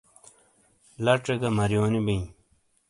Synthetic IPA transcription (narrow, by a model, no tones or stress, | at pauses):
lɐʈ͡ʂeɡɐmɐɾjoːnibĩ